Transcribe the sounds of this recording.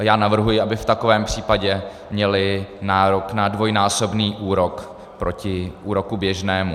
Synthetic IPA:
jaːnavr̩ɦujɪabɪft̪ako̞vɛːmpr̝̥iːpaɟɛ | mɲɛlɪnaːɾo̞knadvo̞jnaːso̞bniːʔuːɾo̞k | pɾʔo̞cɪʔuːɾo̞kubjɛʒnɛːmu

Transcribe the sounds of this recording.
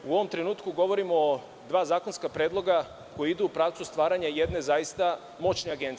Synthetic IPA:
uoʋo̞mt̪ɾe̞nuːt̪kuɡo̞ʋo̞ɾimo | d̪ʋaːzaːko̞nskapɾe̞ːd̪lˠo̞ɡa | ko̞jiid̪uːpɾaːʋt̪sust̪ʋaːɾaɲajed̪ne̞zajist̪a | mo̞t͡ʃneaɡent̪s

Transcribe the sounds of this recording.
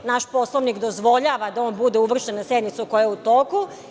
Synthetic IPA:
naʃpo̞slˠoʋnikd̪ozʋo̞ʎaːʋad̪ao̞nbud̪ɛuʋr̩ʃenːased̪nit̪sukojaeut̪o̞ːku

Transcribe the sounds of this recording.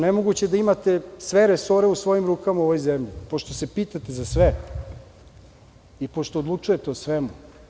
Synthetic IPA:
nemo̞ɡut͡ɕed̪aimat̪esʋeɾeso̞ɾeusʋo̞jimɾuːkamaoʋojzemʎipoʃt̪ose̞piːt̪at̪ezasʋe | ipo̞ʃt̪od̪lut͡ʂuje̞t̪eosʋemu

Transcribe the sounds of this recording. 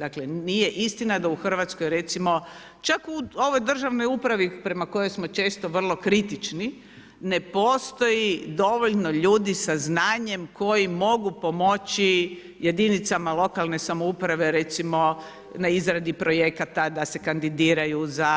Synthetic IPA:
d̪aklenije̞ʔist̪inad̪auxr̩ʋat̪sko̞jɾe̞t̪simo̞ | t͡ʃakuo̞ʋo̞jd̪r̩ʒaʋno̞jupɾaʋipɾe̞mako̞jo̞jsmo̞t͡ʃe̞ːst̪oʋr̩lˠo̞kɾit̪it͡ʃni | ne̞po̞ːst̪o̞jid̪o̞ʋo̞ʎno̞ʎuːd̪isaznaːɲe̞mko̞jimo̞ɡupo̞mot͡ʃi | je̞d̪init̪samalˠo̞kalˠne̞samoupɾaʋe̞ɾe̞t̪simo̞ | naizɾad̪ipɾo̞je̞kat̪ad̪ase̞kand̪id̪iːɾajuza

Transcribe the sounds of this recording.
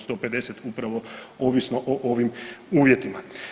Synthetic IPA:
st̪o̞ːpe̞d̪e̞set̪upɾaʋo̞oːʋisnoʔoʔo̞ʋimuːʋje̞t̪ima

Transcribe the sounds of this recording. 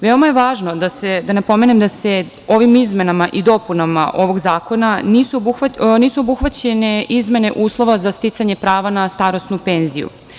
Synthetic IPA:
ʋeo̞majeʋaːʒno̞d̪ased̪anapo̞me̞nemd̪ase̞ | o̞ʋimizme̞namaʔid̪o̞punama̰ʔo̞ʋo̞ɡzaːko̞naniːsubuxʋaniːsuo̞buxʋat͡ɕene̞izme̞ne̞ʔuːslˠo̞ʋazast̪it̪saɲe̞pɾaːʋanast̪aɾo̞snupe̞ːnzijṵ

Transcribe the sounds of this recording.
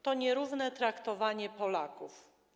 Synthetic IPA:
t̪ɔɲɛɾuvnɛt̪ɾakt̪ɔvaɲɛpɔlakuf

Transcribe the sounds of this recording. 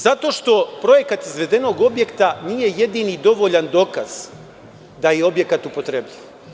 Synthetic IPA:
zat̪o̞ʃt̪o̞pɾo̞je̞kat̪izʋe̞d̪e̞no̞ɡo̞bjekt̪aniːje̞je̞d̪inid̪o̞ʋo̞ʎand̪o̞ːkaz̥ | d̪ajeo̞bje̞kat̪upo̞t̪ɾebʎʲiʋ

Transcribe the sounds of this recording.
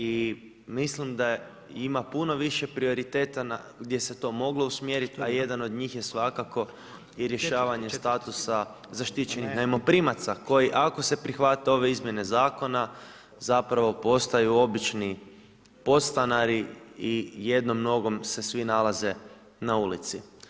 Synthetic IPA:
i | mislimd̪a | imapuno̞ʋiʃe̞pɾio̞ɾit̪e̞ːt̪anaɡd̪je̞se̞t̪o̞ːmo̞ɡlˠo̞usmjeɾit̪aje̞d̪ano̞d̪ɲiːxje̞sʋakako̞ | iɾje̞ʃaːʋaɲe̞st̪at̪usa | zaʃt̪it͡ɕe̞nixnajmo̞pɾimat̪sako̞jiʔako̞se̞pɾixʋat̪eo̞ʋe̞izmje̞ne̞zaːko̞na | zapɾaʋo̞po̞st̪ajuo̞bit͡ʃni | po̞t̪st̪anaɾiije̞d̪no̞mno̞ɡo̞mse̞sʋinalˠaze̞ | naulḭt̪si

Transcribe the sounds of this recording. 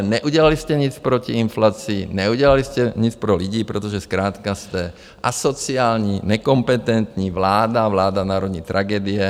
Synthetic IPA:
ɲɛʔuɟɛlaliscɛɲit͡spɾɔciinflaːt͡siːɲɛuɟɛlaliscɛɲit͡spɾɔliɟiːpɾɛt̪ɔʒɛskɾaːt̪kast̪ɛ | ʔa̰sɔt͡siaːlɲiɲɛkɔmpɛt̪ɛnt̪ɲiʋlaːd̪aʋlaːd̪anaːɾɔd̪ɲiːt̪ɾʔaɡɛːd̪iɛ

